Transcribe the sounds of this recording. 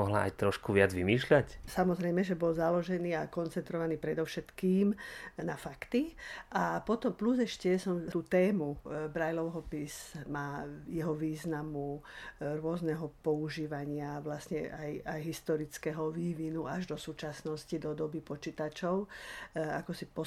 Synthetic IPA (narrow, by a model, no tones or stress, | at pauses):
ɔɦla̰a̰jt̪ɾɔʃkuʋɪad͡zʋimiːʃlacsamɔzɾɛjmɛʒɛbɔlzalɔʒɛniːakɔnt͡sɛnt̪ɾɔʋaniːpɾɛd̪ɔʊʃɛt̪kiːmnafakt̪iʔapɔt̪ɔmpluzɛʃcɛsɔmt̪uːt̪ɛːmubɾajlɔʊɦɔpizmaːjɛɦɔʋiːznamuɾʊɔznɛɦɔpɔuʒiːʋaɲɪaʋlasɲɛajajɦist̪ɔɾit͡skɛɦɔʋiːʋinuaʒd̪ɔsuːt͡ʃasnɔscid̪ɔd̪ɔbipɔt͡ʃiːt̪at͡ʃɔʊ | a̰kɔsipɔ